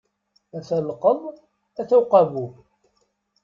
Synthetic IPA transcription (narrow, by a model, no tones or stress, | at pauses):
æθæləqːəðˤ | æθæwqɑvu